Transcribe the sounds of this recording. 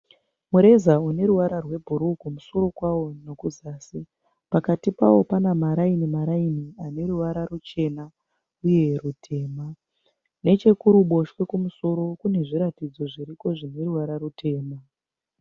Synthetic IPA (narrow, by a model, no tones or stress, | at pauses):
muɾe̞zaune̞ɾuwaɾarwe̞bʱuɾukumuso̞ɾo̞kwawo̞nokuzaːsi | pakatipa̰wo̞panamaɾainimaɾainiane̞ɾuwaɾarut͡ʃe̞na | uje̞rutʰe̞ːma | ne̞t͡ʃe̞kuɾuɓo̞ʃwe̞kumuso̞ɾo̞kune̞ʐiɾatid͡zo̞ʐiɾiko̞ʐine̞ɾuwaɾaɾutʰe̞ːma